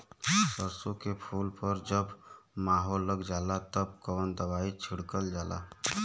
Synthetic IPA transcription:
bəɾsõkepʰulpəɾd͡ʒəbmaːɦolːəɡd͡ʒalat̪əb̚kəwənd̪əbait͡ʃʰiɽkəld͡ʒala̰

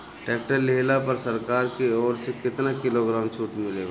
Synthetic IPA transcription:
ʈeːk̚ʈəɾːeɦlapəɾsəɾkaːɾkeɔːɾsekɪt̪nakɪloɡɾaːmt͡ʃʰuːʈmɪleɡa

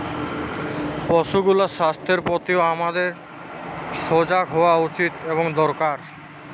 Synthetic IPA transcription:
pɔʃuɡulaʃast̪ʰeɾpot̪ioamad̪eɾ | ʃod͡ʑakɦɔwaut͡ɕit̪eboŋd̪ɔɾkaɾ

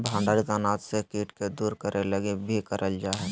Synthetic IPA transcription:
bʱãːɳɖaːɾit̪anaːt̪sekiːʈked̪uːɾkəɾʔeləɡebʱikəɾʔəld͡ʒaːɦɛ

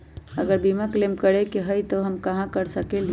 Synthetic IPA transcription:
əɡəɾbimaklemkəɾekeɦəjt̪oɦəmkəɦãkəɾsəkel

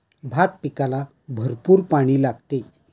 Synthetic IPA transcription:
bʱat̪̚pikala | bʱəɾpuːɾpaɽ̃iːlaɡt̪e

